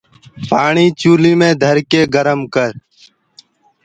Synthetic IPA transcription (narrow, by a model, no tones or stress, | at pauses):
paːɳiːt͡ʃuːliːmẽːd̪ʱəɾkeːɡəɾəmkəɾ